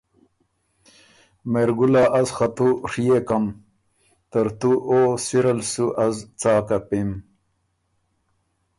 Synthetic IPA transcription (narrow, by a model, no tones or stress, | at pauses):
meɾɡulaʔɐzxɐt̪uʂijekɐm | t̪ɐɾt̪uʔosiɾɐlsuʔɐzt͡saːkɐpim